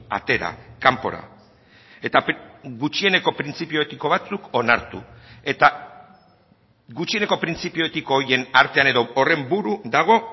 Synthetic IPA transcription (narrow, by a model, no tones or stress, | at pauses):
a̰t̪e̞ɾa̰kampo̞ɾa̰ | e̞t̪aɣut͡ʃie̞ne̞ko̞pɾint͡sipio̞et̪iko̞βat͡suko̞naɾt̪ṵe̞t̪a | ɡut͡ʃie̞ne̞ko̞pɾint͡sipio̞et̪iko̞ːɾjie̞naɾt̪e̞ane̞ðo̞ore̞mbuɾud̪aɣ̞o̞